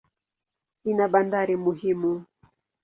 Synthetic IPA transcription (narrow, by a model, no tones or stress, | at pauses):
inaɓandaɾimuhimu